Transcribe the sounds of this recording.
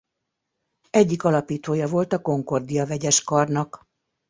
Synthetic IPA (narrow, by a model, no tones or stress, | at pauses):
ɛɟːikɒlɒpiːt̪oːjɒvo̞lt̪ɒko̞ŋko̞rd̪ijɒvɛɟɛʃkɒrnɒk